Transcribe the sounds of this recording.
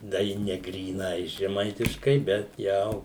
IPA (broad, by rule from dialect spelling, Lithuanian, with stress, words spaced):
dɐ ˈjɪ nʲɛ ɡrʲiːˈnɐɪ ʒʲɛˈmɐɪtʲɪʃkɐɪ bʲɛt ˈjɛʊ